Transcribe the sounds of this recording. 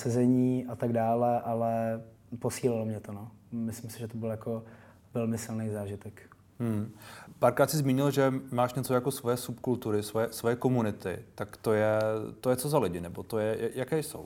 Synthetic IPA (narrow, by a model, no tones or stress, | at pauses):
sɛzɛɲiːʔat̪aɡdaːlɛʔalɛ | po̞siːlɪlomɲɛt̪onomɪslɪmsɪʒɛt̪obɪljako̞ | vɛlmɪsɪlnejzaːʒɪt̪ɛk | m̩paːɾkɾaːt̪sɪzmiːɲɪlʒɛmaːʃɲɛt͡sojakosvojɛsupkult̪uɾɪsvojɛsvo̞jɛkomunɪt̪ɪ̰t̪akt̪o̞jɛt̪ojɛt͡so̞zalɪɟɪnɛbo̞t̪ojɛjajakɛjso̰w